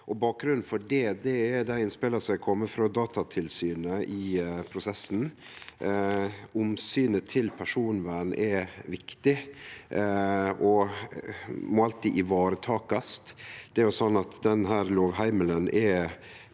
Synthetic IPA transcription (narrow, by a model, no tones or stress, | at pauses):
ʔɔbɑːk̚ɡɾʉnn̩fɔɖɛd̪ɛɛd̪æɪɪnspɪləsæɪkʰɔmːəfɾɑd̪ɑːt̪ɑt̪ʰɪlsyːnəɪpʰɾʊsɛsn̩ | ʊmsyːnət̪ʰɪlpʰæʂuːnʋæːɳʔɛʋɪkt̪ɪ | ʔɔ | mɔɑlt̪iːʔɪʋɑːɾət̪ʰɑːkɑst̪d̪̥ɛæɾjʊsɔnːɑt̪d̪ɛnɦæːɾloːʋhæɪmələnɛ